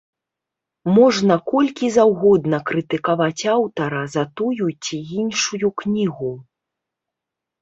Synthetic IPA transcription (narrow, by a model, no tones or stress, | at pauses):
mɔʐnɐkɔlʲkʲizawɣɔd̪nɐkɾɨt̪ɨkavat͡sʲawt̪ɐɾɐzɐt̪ujut͡sʲiinʂujuknʲiɣu